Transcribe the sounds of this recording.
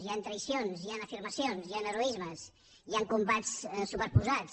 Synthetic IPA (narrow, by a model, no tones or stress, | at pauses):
ziant̪ɾəjsionzianəfiɾməsionzianəɾoizməs | iaŋkumbat͡ssupəɾpuza